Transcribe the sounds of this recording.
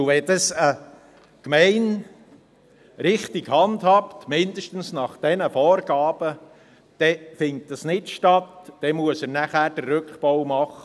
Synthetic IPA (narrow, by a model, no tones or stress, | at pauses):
ʋɛd̥ɑsə | kmɛɪn | ɾɪχtiɡhɑndhɑptmɪndəʃtən̩snɑχd̥ɛnəfɔːɾɡ̥ɑːb̥ə | d̥ɛfɪnt̚d̥ɑsnɪtʃtɑtd̥ɛmuəsəɾnæχæːɾd̥ərːʉkχpɔwmɑχːə